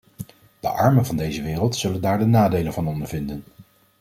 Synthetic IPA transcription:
d̥əʔɑ̰ɹmənvɑndejzəʋɪːrəlˠtsɵləndaːɹdənaːdejlənvɑnɔndəɹvɪndən

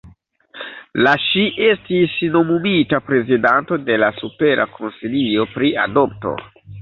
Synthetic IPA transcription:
laʃiʔe̞stisno̞mumitapɾe̞zidanto̞de̞lasupe̞ɾʔa̰kʰonsilio̞pɾia̰do̞p̚to̞̰

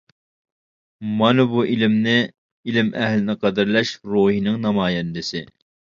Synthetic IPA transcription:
mɑnɨbuʔilɪmnɪ | ilɪmʔɛhlɪnɨqʰɑd̪ɪɾlɛʃɾoːhinɨŋnɑmɑːjɛnd̪ɪsɪ

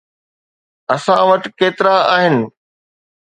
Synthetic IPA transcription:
ɐsãʋɐʈkeːt̪ɪɾaaːɦɪnɪ̆

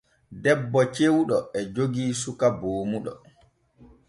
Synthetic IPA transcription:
dɛbːɔt͡ʃewɗɔɛd͡ʒoɡiːsukaboːmuɗɔ̰

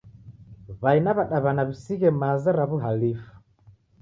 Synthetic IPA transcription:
βainaβaɗaβanaβisiɣɛmazaɾaβuɦalifu̥

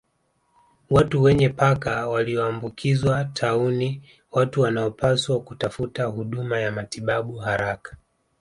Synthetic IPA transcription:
watuwɛɲɛpakawaliɔaːmbukʰizwatʰauni | watuwanaɔpʰaswakutafutahuɗumajamatiɓaɓuɦaɾakḁ

